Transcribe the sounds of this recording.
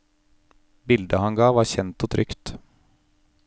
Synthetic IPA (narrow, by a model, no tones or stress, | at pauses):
bɪld̪əhɑnɡɑːʋɑɾɕɛnt̪ɔt̪ʰɾʏkt̪